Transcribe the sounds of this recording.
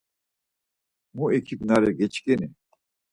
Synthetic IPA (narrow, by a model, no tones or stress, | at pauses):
mũekʰiknaɾeɡet͡ɕkene